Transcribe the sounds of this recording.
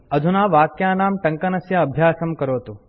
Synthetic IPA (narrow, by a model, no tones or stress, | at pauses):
ɐd̪ʱunaːʋaːkjaːnaːmʈɐŋkɐnɐsjɐːbʱjaːsɐmkɐɾoːt̪u